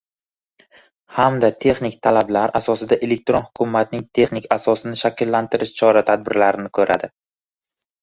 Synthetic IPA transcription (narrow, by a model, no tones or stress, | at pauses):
hamd̪at̪ʰe̞χnɪkʲt̪ʰalablaɾasɒsɪd̪aʔe̞le̞k̚ʲt̪ɾonhʊkʲʰʊmːat̪nɪŋt̪ʰe̞χnɪkʲʰasɒsɪnɪʃakʲɪlːant̪ʰɪɾɪʃt͡ʃʰɒɾat̪ʰad̪̚bɪɾlaɾɪnɪkʰɵɾa̰d̪ɪ